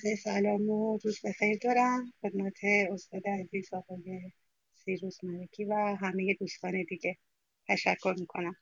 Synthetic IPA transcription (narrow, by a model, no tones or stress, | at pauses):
zesælɒːmoɾuːzbexeɾd̪ɒːɾæmxed̪mæt̪ʰeost̪ɒːd̪eæziːzɒːɣɒːje̞ | siɾuːzmæɾækʰivæɦæmejed̪uːst̪ɒːne̞d̪iɟe | t̪ʰæʃækʰːo̞ɾmiːkʰo̞næm